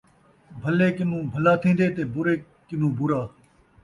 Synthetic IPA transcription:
bʱəleːkɪnũːbʱəlaːt̪ʰĩːnd̪eːt̪eːbʊɾeː | kɪnũːbʊɾaː

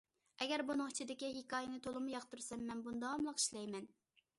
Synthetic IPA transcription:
ɛɡʲɛɾbunɨŋt͡ʃʰid̪ɪkʲiɦikɑːjɪnɨt̪ʰolˠɨmujɑqt̪uɾsɛmːɛnbund̪ɑɑmlˠəqi̥ʃlɛjmɛn

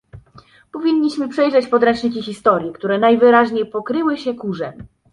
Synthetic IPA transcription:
pɔvʲiɲːiɕmɘpʂɛjʐɛt͡ɕpɔd̪ɾɛnt͡ʂɲik̬ʲixʲist̪ɔɾʲjɛkt̪uɾɛnajvɘɾaʑɲejpɔkɾɘwɘɕɛkuʐɛm

